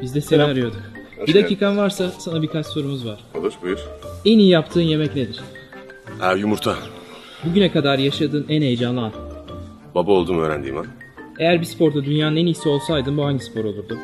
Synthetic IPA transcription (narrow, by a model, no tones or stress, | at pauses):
bizd̪ɛsevaɾijo̞d̪um | bid̪aciːkʰanvaɾsasanabikʰat͡ʃso̞ɾumuzvaɾ̥olˠɯɾbɾɛnijijapt̪ʰɯːnje̞mɛcned̪iɾ̥ | æjumuɾt̪ʰa | buɟynɛkʰad̪aɾjaʃad̪ɯːnænejd͡ʒanlˠɯan | babalˠd̪umøːɾæ̰nd̪ḭma̰n | e̞jæɾbispʰo̞ɾd̪ad̪ynjaːnɯnɛnijsɛo̞lˠsajd̪ɯnbuɦaɲɟispʰo̞ɾo̞lˠuɾd̪u